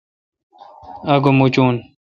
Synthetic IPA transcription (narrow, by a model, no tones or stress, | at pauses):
ɐɡomut͡ɕuːn